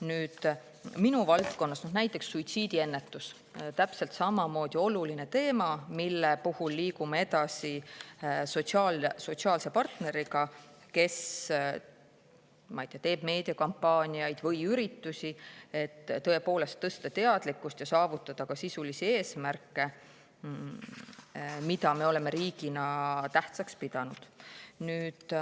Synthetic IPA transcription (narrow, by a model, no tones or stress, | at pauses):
nyːd̪̥ | minuvɑlt̪ko̞nːɑsnɑd̪næjt̪ːˑe̞ksːuit̪siːd̪ie̞nːe̞t̪ːˑus | t̪æpse̞lt̪sɑmɑmo̞ːd̪̥io̞luline̞t̪e̞ːmɑmilːepuhulːiːkumee̞d̪ɑsi | sot̪siɑlso̞t̪siɑːlse̞pɑrt̪ne̞ɾiɡɑ | ke̞s | mɑjt̪eɑt̪e̞ːb̥me̞ːd̪̥iɑkɑmpːɑːnʲiɑjd̪̥vɤjyɾit̪ːusie̞t̪ːɤ̞e̞po̞ːle̞st̪ːɤ̞st̪ɑt̪e̞ɑd̪̥likːˑust̪jɑsɑːvut̪ːˑɑd̪̥ɑkɑsisulisie̞ːsmærkːe̞ | mid̪ɑme̞o̞le̞meɾiːɡ̥inɑt̪æht̪sɑkspid̪̥ɑnud̪̥nyːd̪̥